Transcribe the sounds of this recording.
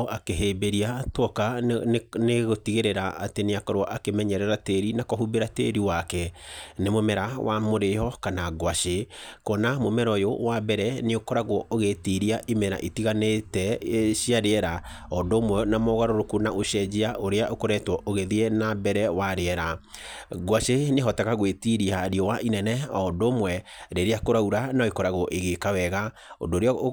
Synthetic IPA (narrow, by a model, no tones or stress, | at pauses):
akeɦebeɾiatwɔka | neɣotiɣeɾeɾaa̰teneakɔɾwɔʔakemɛɲɛɾɛɾateɾinakɔɦubeɾatḛɾiwakɛnemomɛɾawʔa̰moɾejɔkanaɡwaʃekɔnamomɛɾɔjowabɛɾɛneokɔɾaɣwɔoɣetiɾiaʔimɛɾa̰ʔitiɣanetɛʃiaɾeɛɾa | ɔdomwɛnamɔɣaɾoɾokunaʔoʃɛd͡ʑiaʔoɾeaʔokoɾɛtwɔʔoɣeðiɛnabɛɾɛwaɾeɛɾa | ɣwaʃeneɦɔtaɣaɣwetiɾiaɾiɔwaʔinɛnɛɔdomwɛɾeɾeakoɾauɾanaoikɔɾaɣɔʔeɣekawɛɣa | o̰ndoːɾe